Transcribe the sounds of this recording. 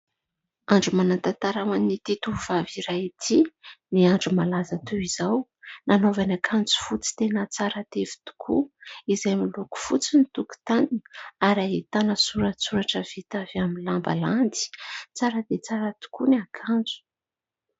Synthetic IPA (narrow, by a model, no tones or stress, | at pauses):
aɳɖ͡ʐumanant̪at̪aɾawanit̪it̪uv̥aviɾait̪ʰiniaɳɖ͡ʐumalazat̪uwizaw | nanovanakʰand͡zu̥fut͡si̥t̪enət͡saɾat̪evi̥t̪u̥kʰuizajmiluku̥fut͡sinit̪uku̥t̪aniaɾaɦit̪anəsuɾasuɾaʈ͡ʂəv̥it̪avaminlamba̰land̪i̥t͡saɾəd̪et͡saɾat̪u̥kuniakʰand͡zu̥